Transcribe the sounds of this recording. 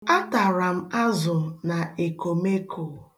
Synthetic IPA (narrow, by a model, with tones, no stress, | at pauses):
a˦ta˨ɾa˨m̩˦a˦zʊ˨m̩˨na˨e˨ko˨me˦kʰo˨